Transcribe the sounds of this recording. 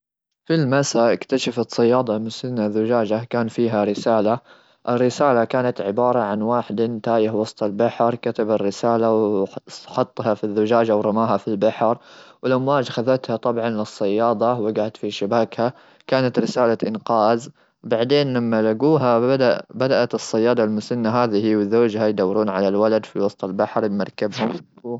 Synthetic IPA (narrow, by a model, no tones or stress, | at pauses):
filmasaʔɪkt̪aʃafat̪sˤɑjːɑːd̪ˤɑmʊsɪnːazʊd͡ʒaːd͡ʒakaːnfiːɦaɾɪsaːla | ʔɪrːɪsaːlakaːnat̪ʕɪbɑːɾˤɑʕanwaːħɪd̪nt̪aːjɪhwɑsˤt̪ˤɑlbaħɾˤkat̪abarːɪsaːlaw | ħɑt̪ˤːhɑfiðːʊd͡ʒaːd͡ʒawɾˤɑmaːɦafilbaħɾwɪlʔamwaːd͡ʒxaðat̪hat̪ˤɑbʕɑnlɨsˤːɑjːɑːd̪ˤɑwɪɡaʕt̪fiʃɪbaːkha | kaːnat̪ɾɪsaːlaʔɪnqɑːz | baʕd̪eːnlamːalaɡuːɦad̪abad̪aʔat̪ɨsˤːɑjːɑːd̪ˤɑlmʊsanːaɦaːðihiwɪzoːd͡ʒhajd̪awːɾuːnʕalalwalad̪fiwɑsˤt̪ˤɑlbaħɾbmɑɾˤkabhʊm